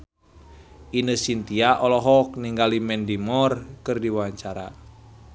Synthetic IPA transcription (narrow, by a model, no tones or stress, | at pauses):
ʔinəsint̪iaʔɔlɔɦɔkniŋɡalimɛndimɔrkɨrdiwawaɲt͡ʃaɾa̰